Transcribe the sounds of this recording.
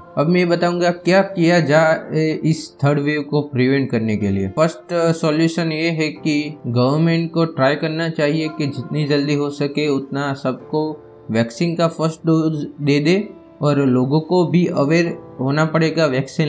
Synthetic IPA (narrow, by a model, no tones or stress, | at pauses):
ɐbmɛ̃jbɐt̪aːũːŋɡakjaːkijad͡ʒaːeʔɪst̪ʰəɾɖʋeːʋkopɾiʋẽɳʈkɐɾnekeliḛːfɐɾsʈsɔːljuːʃənjeɦɛkiɡɐʋəɾmẽɳʈ̚koʈɾaːjkɐɾnat͡ʃaːɦiekid͡ʒɪt̪nid͡ʒɐld̪iɦosɐkeʊt̪nasɐb̚ko | ʋɛːksɪ̃nkafʰɐɾsʈ̚ɖoːzd̪eːd̪e | ɔːɾloːɡõkobʱiɐʋeːɾɦoːnapɐɽeːɡaʋɛːksɪ̃